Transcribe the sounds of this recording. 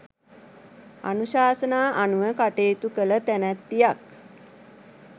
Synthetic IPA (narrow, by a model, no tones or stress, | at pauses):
a̰nuʃaːsənaːʔanuʋəkaʈeːt̪ukələt̪ænæt̪ːijak